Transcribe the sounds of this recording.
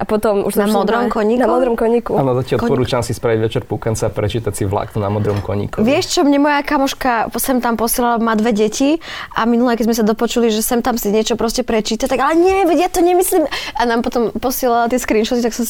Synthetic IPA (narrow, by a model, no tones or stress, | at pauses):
ʔapɔt̪ɔmṵʃamɔd̪ɾɔmkɔɲiknkmɔd̪ɾɔmkɔɲikuanɔzacɪalkɔpɔɾut͡ʃansispɾaʋiɟʋɛt͡ʃɛɾpukant͡sɛapɾɛt͡ʃiːt̪asiʋla̰knuna̰mɔd̪ɾɔmkɔ̰ɲḭkɔʋʋɪɛʃt͡ʃɔmɲɛmɔjakamɔʃkasɛmt̪ampɔsɪɛlalamad̪ʋɛɟɛcʰiʔaminulɛkɛzmɛs̬ad̪ɔpɔt͡ʃuliʒɛsɛmt̪amsiɲɛt͡ʃɔpɾɔscɛpɾɛt͡ʃiːt̪at̪aɡalɛɲɛʋɛɟjat̪ɔɲɛmisliːmanampɔt̪ɔmpɔsɪɛlalat̪ɪɛskɾiːnʃɔt̪it̪aksɔm